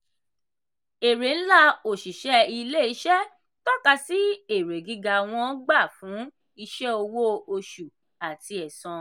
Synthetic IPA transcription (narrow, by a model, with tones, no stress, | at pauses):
e˨ɾe˨n̩˦la˦o˨ʃi˨ʃɛ˧˦i˧le˦˨i˧˦ʃɛ˦ | tɔ˦ka˧si˦e˨ɾe˨ɡi˧ɡa˧˨w̃ɔ̃˧˦ɡ͡ba˦˨fũ˨˦ | i˧ʃɛ˦o˧wo˦o˧ʃu˨ | a˨ti˧ɛ˨sɔ̃˧